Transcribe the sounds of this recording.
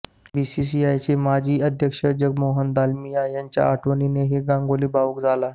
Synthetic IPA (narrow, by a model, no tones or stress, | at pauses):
bisis̬iajt͡ɕemad͡ʑʱiːəd̪ʱjəkʂəd͡ʑəɡ̚moɦənd̪almijajaɲt͡ɕja̰ːʈʰʋənineɦeɡãŋɡoliːbaukd͡zala